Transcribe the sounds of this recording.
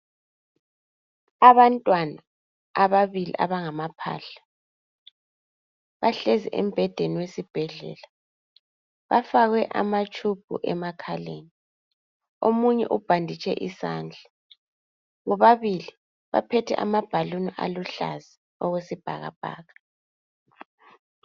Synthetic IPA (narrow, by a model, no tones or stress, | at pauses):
aβantʼwanaː | βaβilḭʔa̰βaŋamapʰa̰ːɬḁ | βaɬɛzɛʔɛm̩bʱɛd̥ʱeniwesib̥ʱɛɮɛ̰ːla | βafaɣwɛʔa̰mat͡ʃʰʼub̥̚ʱuʔɛ̰makʰaleni | omuɲɛ̰ʔub̥ʱandʱit͡ʃʰʼɛ̰ʔisaːnd͡ɮʱa | ɣɔβaβili | βa̰pʰɛtʰɛ̰ʔa̰mab̥ʱaluniʔaluɬa̰zi | ɔɣwesib̥ʱa̰ɣa̰b̥ʱa̰ːɣa